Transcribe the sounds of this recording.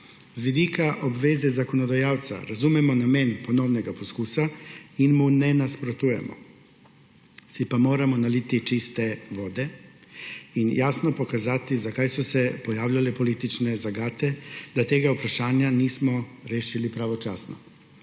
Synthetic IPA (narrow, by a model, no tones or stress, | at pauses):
zʋid̪iːkaʔɔbʋeːzɛzakɔnɔd̪ajaːwt̪sa̰ɾazumɛmɔnameːnpɔnɔwnɛɡapɔskuːsainmunɛnaspɾɔt̪uːjɛ̰mɔ̰ | sipamoːɾamɔnaliːt̪it͡ʃist̪ɛʋoːd̪ɛ | injaːsnɔpɔkazaːt̪izakaːjsɔsɛpɔjaːwlʲjalɛpɔliːt̪it͡ʃnɛzaɡaːt̪ɛd̪̥at̪eːɡaupɾaʃaːnjaniːsmɔɾeːʃilipɾaʋɔt͡ʃaːsnɔ̰